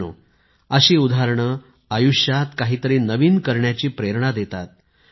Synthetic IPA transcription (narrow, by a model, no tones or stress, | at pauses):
o̰ | əɕiːud̪ʱaɾɳə | ajuɕjat̪kaɦiːt̪əɾinəʋiːnkəɾɳjat͡ɕiːpɾeɾɳad̪et̪at̪̚